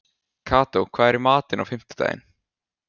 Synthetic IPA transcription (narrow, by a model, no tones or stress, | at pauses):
kʰaːt̪owkʰv̥aːðɛɾimaːt̪ɪna̰wfɪm̥t̪ḁt̪a̰ːjɪ̰n